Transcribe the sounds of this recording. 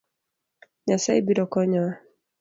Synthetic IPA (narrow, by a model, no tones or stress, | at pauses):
ɲasaibiɾɔkɔɲɔa